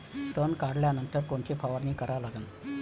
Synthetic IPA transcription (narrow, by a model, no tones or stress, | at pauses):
t̪ənkaɽljanənt̪əɾkoɳt͡ɕepaʋəɾniːkəɾalaɡən